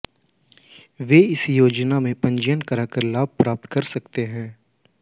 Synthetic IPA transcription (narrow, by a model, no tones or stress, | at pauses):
ʋeːɪsjoːd͡ʒnamẽpɐ̃ɲd͡ʒjənkəɾakəɾlaːb̚pɾaːp̚t̪kɐɾsɐkt̪eɦɛ̃ː